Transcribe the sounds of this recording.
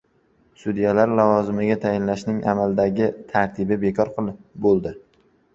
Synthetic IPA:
sʊd̪ijalaɾlavɒzɪmɪɡʲat̪ʰajɪnlaʃnɪŋʔa̰mald̪aɡʲɪt̪ʰaɾt̪ʰɪbɪbekʰɒɾqʰbolˠd̪ɪ

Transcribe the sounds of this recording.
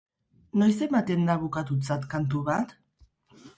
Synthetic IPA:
no̞js̬e̞mat̪e̞nd̪aβukat̪ut͡sat̪kant̪̬uβat̪

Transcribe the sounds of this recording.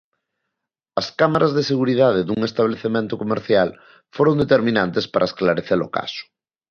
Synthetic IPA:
ɐskamaɾazðeseɣuɾið̞að̞eðuŋest̪aβleθemẽnt̪okomeɾθjal | foɾond̪et̪eɾmĩnant̪espaɾʔaesklaɾeθelo̰ka̰sʊ̥

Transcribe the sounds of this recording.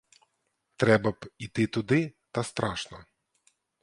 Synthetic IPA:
t̪ɾɛbɐpit̪ɨt̪ud̪ɪt̪ɐst̪ɾʔaʂnɔ

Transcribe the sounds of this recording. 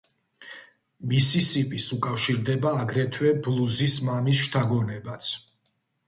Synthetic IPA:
misisipʼisukʼafʃiɾd̪ɛbaːɡɾɛt̪ʰwɛblˠuzismamisʃt̪ʰaɡɔnɛbat̪sʰ

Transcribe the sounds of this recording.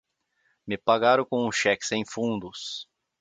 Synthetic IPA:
mɪpaɡaɾɐ̃kõʊ̃ʃɛksẽj̃fũnd̪ʊs

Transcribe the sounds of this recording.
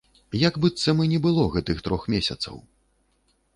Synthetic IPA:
jaɡbɨt̪sːɐmɨnʲɛbɨlˠɔɣɛt̪ɨxt̪ɾɔxmʲesʲɐ̰t̪sɐ̰w

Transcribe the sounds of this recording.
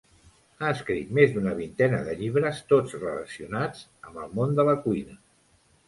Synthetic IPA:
aəskɾit̪mezd̪unəβint̪ɛnəðəʎiβ̞ɾəst̪od͡zrələ̰siunad͡zəməlˠmond̪ələkuinə

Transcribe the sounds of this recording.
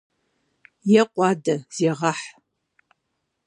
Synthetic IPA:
jɛqʷʼɑːdɐz̥eːʁɐħ

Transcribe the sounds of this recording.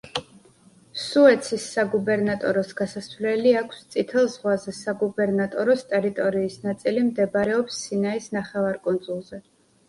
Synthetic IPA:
suɛt̪sʰisːaɡubɛɾnat̪ʼɔɾɔsɡ̥asasvlɛliakʰst̪sʼit̪ʰɛlˠzʁwazɛsaɡubɛɾnat̪ʼɔɾɔst̪ʼɛɾit̪ʼɔɾiːsnat̪sʼilimd̪ɛbɾɛɔpsːinaisnaχɛvaɾkʼɔnz̥ulˠzɛ

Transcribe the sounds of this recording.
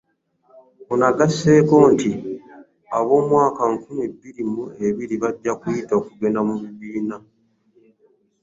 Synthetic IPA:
onaɡase̞ːko̞ːnti | a̰βo̞ːmwaːkaŋkumebːiɾimue̞βiɾiβaɟːakujitaokuɡe̞namuβiβiːna

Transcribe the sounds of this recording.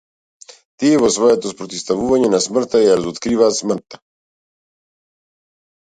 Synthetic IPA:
t̪iβosβaat̪ospoɾt̪ist̪aβuβaɲenasmaɾt̪ajalzut̪kɾiβasmaɾt̪ḁ

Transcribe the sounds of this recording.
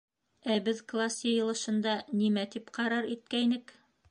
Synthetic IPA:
æbɘðklˠasjɤ̆jɤ̆lˠɤ̆ʃɤ̆nd̪ɑnimæt̪ipqɑɾɑɾit̪̚kæjnɘk

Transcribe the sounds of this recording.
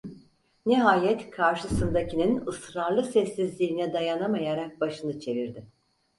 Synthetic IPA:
niɦaːjɛt̪kʰaɾʃɯsɯnd̪acininɯsɾaɾlˠɯsɛsːizlʲiːnɛd̪ajanamajaɾak̚baʃɯnɯt͡ʃʰe̞viɾd̪ɪ

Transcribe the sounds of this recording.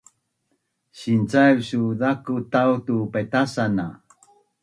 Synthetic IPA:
ɕint͡sawsuðakutawtupajtasana

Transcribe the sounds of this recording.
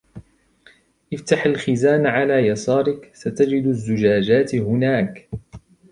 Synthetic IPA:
ʔɪft̪aħalxɪzaːnʕalaːjɑsˤɑːɾˤɪksat̪ad͡ʒɪd̪azːʊd͡ʒaːd͡ʒaːt̪hʊnaːk

